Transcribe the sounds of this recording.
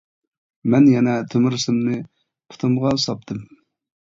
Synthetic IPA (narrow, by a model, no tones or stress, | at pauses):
mɛnjɛnɛt̪ʰømɪɾsɨmnɨ | pʰʊ̥t̪ʰɨmʁɑsɑp̚t̪ʰɨm